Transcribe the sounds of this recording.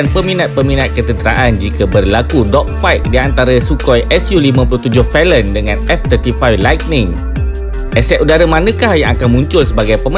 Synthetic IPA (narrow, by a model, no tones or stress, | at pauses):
anpəminat̪̚pəminat̪̚kət̪ənt̪əɾa̰ʔand͡ʒikabərlakudɔk̚fajt̪̚diant̪aɾasukɔjʔɛsjulimãpuluht̪ud͡ʒʊhfɛləndəŋãnɛft̪ərt̪ifajlajk̚nɪŋ | ʔɛsɛʔudaɾamanə̃kahjaŋakanmuɲt͡ʃʊlsəbaɡajpəmə